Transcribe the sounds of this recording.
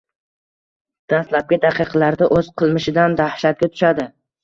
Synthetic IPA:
d̪̥ast̪lab̚ɡʲad̪aqʰɨqʰlaɾd̪aʔɵz̥qʰɨlˠmɪʃɪd̪and̪ahʃat̪̚ɡʲat̪ʰʊ̥ʃad̪ɪ

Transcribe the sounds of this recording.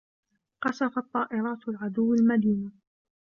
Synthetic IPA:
qɑsɑfɑt̪ˤːɑːʔɪɾˤɑːt̪alʕad̪ʊwːalmad̪iːna

